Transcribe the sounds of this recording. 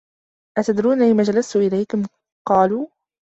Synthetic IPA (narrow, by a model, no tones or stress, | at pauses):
ʔat̪ad̪ɾuːnalɪmaːd͡ʒalast̪ʊʔɪlajkʊm | qɑːluː